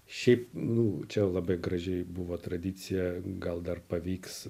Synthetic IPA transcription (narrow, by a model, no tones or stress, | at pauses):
ʃʲɛɪpnʊt͡ʃʲɛlˠɐbɐɪɡɾɐʒʲɛɪbʊʋoːt̪ɾɐd̪ʲɪt̪sʲɪjɛɡɐlˠd̪ɐrpɐʋʲiːks